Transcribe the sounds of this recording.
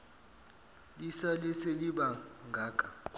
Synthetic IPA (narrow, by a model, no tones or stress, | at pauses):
lisalɛseliɓaŋɡʱaːkʼa